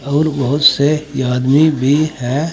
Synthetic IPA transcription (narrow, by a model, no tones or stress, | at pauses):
ɔːɾbəɦʊt̪sejaːd̪mibʱihɛ